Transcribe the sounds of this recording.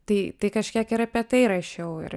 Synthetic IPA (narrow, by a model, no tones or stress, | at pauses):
t̪ɐɪt̪ɐɪkɐʃʲkʲiɛkɪɾɐpʲɛt̪ɐɪɾɐʃʲɛʊɪ̰ɾ